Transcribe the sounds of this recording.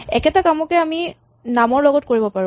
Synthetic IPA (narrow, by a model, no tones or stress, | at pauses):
ɛkɛtakamɔkɛami | namɔɹlɔɡɔt̚koɹibɔpaɹũ